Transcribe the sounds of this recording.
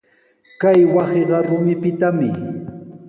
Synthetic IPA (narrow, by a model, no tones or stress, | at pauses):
kajwɑseɢɑɾʊmɪpɪt̪amɪ